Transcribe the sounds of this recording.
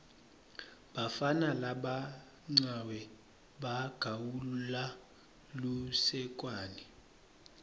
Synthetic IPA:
ɓafanalaɓa | ŋ͡ǀawɛ | ɓaɡ̥ʱawula | lusɛkʼwaːni

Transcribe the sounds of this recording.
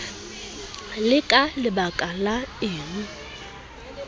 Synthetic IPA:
lɪkʼalɪbakʼalaɪːnu

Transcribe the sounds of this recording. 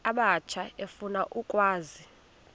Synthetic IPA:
aɓat͡ʃʰaefunaʔukʼwaːzi

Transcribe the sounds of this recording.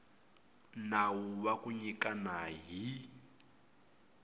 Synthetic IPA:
nawuβakuɲikanaɦi

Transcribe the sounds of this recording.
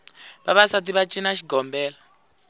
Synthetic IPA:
βaβasatiβat͡ʃʼinaʃiɡʱɔmbɛːla

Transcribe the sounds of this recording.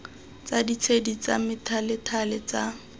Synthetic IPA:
t͡sadit͡sʰedit͡samɪtʰalɪtʰalɪt͡sa

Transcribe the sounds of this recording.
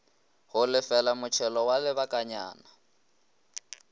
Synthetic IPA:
hʊlɪfɛlamʊt͡ʃʰɛlɔwalɪβakʼaɲa̰ːna

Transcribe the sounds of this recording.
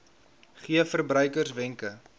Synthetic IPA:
χiəfərbrœɥkərsvɛŋkə

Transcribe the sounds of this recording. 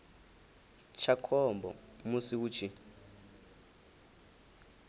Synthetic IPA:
t͡ʃʰakʰɔmbɔ̰musiwut͡ʃʰi

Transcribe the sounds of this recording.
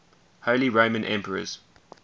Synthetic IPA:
hoʊliɹoʊ̃mə̃nʔɛ̃mpʰəɹə̰z̥

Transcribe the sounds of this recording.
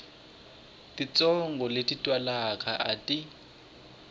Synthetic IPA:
tit͡sʼɔŋɡɔletitʼwalakʰʼaʔa̰tʼi

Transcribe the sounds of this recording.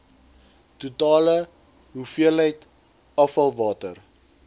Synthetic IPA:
tutɑːlə | ɦufiələjt | ɐfɐlˠvɑːtər

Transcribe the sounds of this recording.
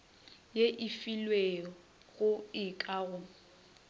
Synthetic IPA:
jeʔɪfilweɔ | ɣʊɪkʼaɣʊ

